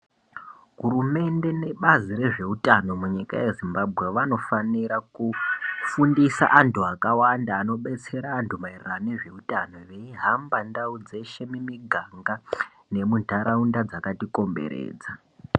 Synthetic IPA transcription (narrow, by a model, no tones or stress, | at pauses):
ɦuɾume̞nde̞ne̞ɓaziɾe̞ʐe̞utano̞muɲika̰je̞zimbabʱɣe̞ʋano̞faniɾakufundisa̰ʔantʰuakawandaːno̞ɓe̞t͡se̞ɾaːntʰumairane̞ʐe̞utano̞ʋe̞iɦambandaud͡ze̞ʃe̞mimiɡʱaŋɡa | ne̞mundʱaɾaundad͡zakatiko̞mbe̞̰ɾḛːd͡za